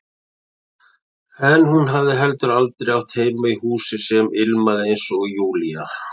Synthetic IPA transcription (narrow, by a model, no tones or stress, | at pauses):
ɛnhunɦavðɪɦɛlt̪ʏɾalt̪ɾejawt̪ʰeːjmaihuːsɪsɛmɪlmaðɪejnsɔɣijuːlia